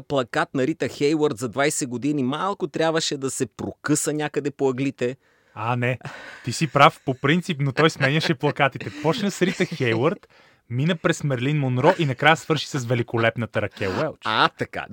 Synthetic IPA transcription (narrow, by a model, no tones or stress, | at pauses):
plˠɐkat̪nɐɾit̪əxɛjwoɾt̪zɐd̪vajsɛɡod̪inimalˠkʊt̪ɾʲabvəʃɛd̪ɐsɛpɾokɤsənʲakəd̪ɛpoɐɡlit̪ɛ | anɛt̪isipɾafpopɾint̪sipnot̪ɔjsmɛɲɐʃɛplˠɐkat̪it̪ɛpɔt͡ʃnəsɾit̪səxɛjwəɾt̪ | minəpɾɛsmɛɾlinmonɾɔʔinɐkɾajəsvɤɾʃi̥sɐsvɛlikolɛpnət̪əɾɐkʲɛwɛlˠt͡ʃat̪ɐka̰